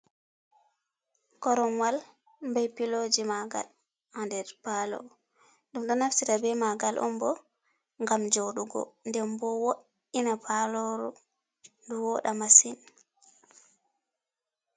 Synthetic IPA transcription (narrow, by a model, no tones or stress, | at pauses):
kɔɾɔnwal | mbajpilod͡ʒimaɡa̰l | handɛɾpalɔ̰ | ɗumɗɔnafsitabɛmaɡalʔɔ̰mbɔ | ŋɡamd͡ʒoɗuɡɔ̰ndɛmbɔwoʔ | inapʰalɔɾɔ̰ | nduwɔɗamasin